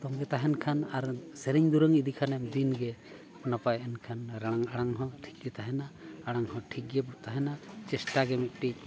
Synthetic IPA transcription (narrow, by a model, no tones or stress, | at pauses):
t̪ɔŋɡɛt̪aɦɛnkʰanaɾsɛɾiɲd̪uɾəŋid̪ikʰanɛmd̪inɡɛ | pnapajɛnkʰanɾaɽ̃aŋaɽ̃aŋɦɔ̃ʈʰi̥k̚ɡɛt̪aɦɛnaːɽ̃aŋɦɔʈʰik̚ɡɛbɔt̪aɦɛnat͡ʃɛsʈaɡɛmik̚ʈic̚